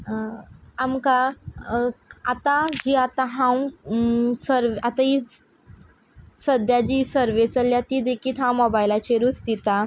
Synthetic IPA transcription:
amka | at̪ad͡ʑiːat̪aɦãw | səɾʋat̪aɦi | səd̪jad͡ʑiːsəɾʋet͡səljat̪iːd̪ekiːt̪ɦãwmobajlat͡ɕeɾust̪it̪a

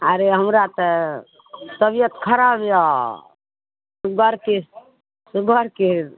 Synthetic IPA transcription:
aɾeɦəmɾat̪ə | səbijət̪kʰəɾabja | suɡʱəɾke | suɡʱəɾkeɾ

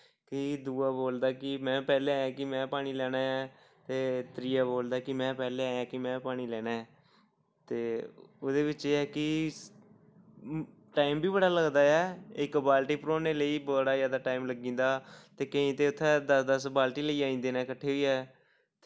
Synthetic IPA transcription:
kɪd̪uːaːboːld̪aːkɪmɛ̃ːpɛːleːaːjãːkɪmɛ̃ːpaːɽ̃iːlɛːɽaːɛː | t̪eːt̪ɾɪːaːboːld̪aːkɪmɛ̃ːpɛːleːaːjãːkɪmɛ̃ːpaːɽ̃iːlɛːnaːɛː | t̪eːoːd̪eːʋɪt͡ʃeːɛːkɪ | ʈaːɪmbiːbəɽaːləɡd̪aːɛːɪkbaːlʈiːpɾoːneːləiːbəɽaːjaːd̪aːʈaːimləɡĩːnd̪aːt̪eːkəĩːt̪eːʊt̪ʰːɛ̃ːd̪əsd̪əsbaːlʈiːləiːãːĩːnd̪eːnɛ̃ːkəʈʰːeːɦʊiːɛː

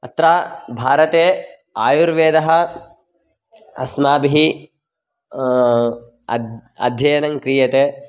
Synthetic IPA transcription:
ɐt̪ɾaːbʱaːɾɐt̪eː | aːjuɾʋeːd̪ɐɦɐ̆ | ɐ̰smaːbiɦi | ɐ̰d̪ʱjɐjɐnɐŋkɾijɐt̪eː

